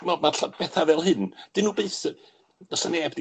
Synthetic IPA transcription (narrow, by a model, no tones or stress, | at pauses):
mɔdmaɬab̥ɛθavɛlˠhɨnd̥ɨnuːbeθ | nɔsəneːbdi